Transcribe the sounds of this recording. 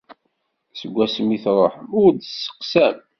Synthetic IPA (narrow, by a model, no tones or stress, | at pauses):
səɡʷːæsəmiθɾˤoħəmʊɾd̪sːə̥qsæm